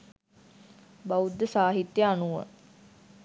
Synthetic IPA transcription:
baud̪ːəsaːɦit̪jəanuʋə̰

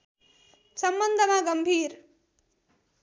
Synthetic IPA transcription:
sʌmbʌnd̪ʱəmaɡʌmbʱiːɾ

